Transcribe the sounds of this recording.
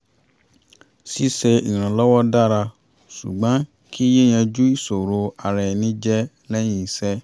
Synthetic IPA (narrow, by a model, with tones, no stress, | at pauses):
si˦sɛ˧ḭ˨ĩ˨ɾ̃ã˨lɔ˦wɔ˦da˦˨ɾa˧ | sṵ˨ɡ͡bã˨˦ | kʰi˦je˦j̃ɛ̃˧d͡ʒu˦i˦˨so˨ɾo˧a˨ɾɛ˨nĩ˨˦d͡ʒɛ˦ | lɛ˦j̃ĩ˦i˨sɛ˦